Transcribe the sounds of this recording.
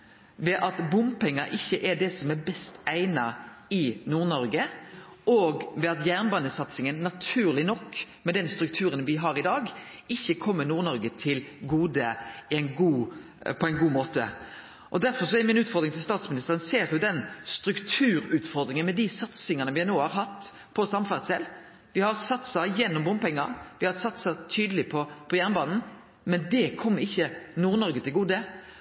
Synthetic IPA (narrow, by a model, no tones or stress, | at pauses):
ʋɛʔɑt̪bʊmpʰɛŋːɑʔɪçːəʔɛɖɛsɔmɛbɛst̪æɪnɑɪnuːɾnɔɾɡə | ɔːɡʋɛɑt̪jæːʁnbɑnəsɑt̪sɪŋənːɑt̪ʰʉːɾlɪnɔkːmɛd̪ɛnst̪ɾʉk̚t̪ʰʉːɾənʋɪɦɑɾɪd̪ɑːɡ | ɪçːəkʰɔmːənuːɾnɔɾɡət̪ʰɪlɡuːd̪əæɪnɡuː | pʰɔæɪnɡuːmoːt̪ə̰ | ʔɔd̪æɾfɔɾsɔɛɾmɪnʉːt̪fɔʁd̪ɾɪŋt̪ɪlst̪ɑːt̪smɪnɪst̪əɾənseːɾjʊd̪ɛnst̪ɾʉkt̪ʰʉːɾʉːt̪fɔɾd̪ɾɪŋənmɛd̪isɑt̪sɪŋɑnəʋɪhænoːhɑɾɦɑt̪ː | pʰɔsɑmfæʁt̪sɛlː | ʋɪhɑɾsɑt̪sɑjɛnːʊmbʊmpɛŋːɑɾʋɪhɑɾsɑt̪sɑt̪ʰyːd̪əlɪpʰɔpʰɔjæʁnəbɑːnn̩ | mɛnd̪ɛkʰɔmːəɾɪçːənuːɾnɔɾɡət̪ʰɪlɡuːd̪ə